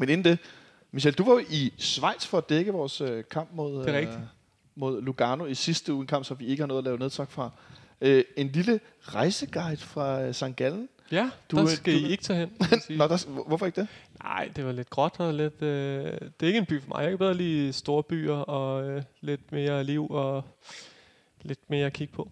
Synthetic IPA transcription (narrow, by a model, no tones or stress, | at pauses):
mene̝n̩d̥e̝ | miɕ̬eld̥uʋɑ̈jo̝ʔisʋɑ̈ɪd̥sfɒ̽æd̥eɡ̥əʋɒːsøkʰɑ̈m̰b̥mo̝ð̞ˠeʁɛɡ̥i | mo̝ð̞ˠluɡ̥ɑːno̝isisd̥əuːenkʰɑ̈m̰b̥sɒ̽mʋie̝ɡ̥əhɑ̈nɔðˠlɛːʊne̝ð̞ˠsʰɑ̈ɡ̥fʁɑ̈ | øe̝nlilə | ʁɑ̈ɪsəɡ̥ɑ̈ɪd̥fʁɑ̈sɑ̈ŋɡ̥æln̩ | jæd̥aɡ̥æie̝ɡ̥ə̥t͡sʰɛ̰ːɦen̰siːdaʋɔfɒe̝ɡ̥əd̥enɑ̈ɪ̰d̥e̝ʋɑ̈le̝d̥̚ɡ̥ʁɒ̽d̥ɒle̝d̥ød̥e̝ɐe̝ɡəenb̥y̰ːfɒmɑ̈ɪjɑekæb̥eð̞ˠɐlḭːsd̥o̝ːɐb̥y̰ːɐɒ̽øle̝d̥me̝ːɐliʊ̰ɒ̽ | le̝d̥me̝ːɐɒkʰiɡ̥əpʰɒ̽